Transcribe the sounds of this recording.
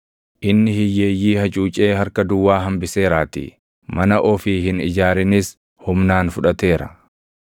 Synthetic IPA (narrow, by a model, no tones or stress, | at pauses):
ʔɪnːɪhɪjːe̞ːjːiːhɐt͡ʃʼuːt͡ʃʼeːhɐɾkɐd̪ʊwːaːɦɐmbɪse̞ːɾaːt̪ɪ̰ | mɐnɐʔɔfiːɦɪnɪd͡ʒaːɾɪnɪs | hʊmnaːnfʊᶑɐt̪e̞ːɾɐ̰